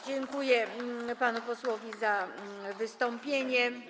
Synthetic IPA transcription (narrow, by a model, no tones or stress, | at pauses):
d͡ʑɛŋkujɛpanupɔswɔvʲizavɘst̪ɔmpʲjeɲɛ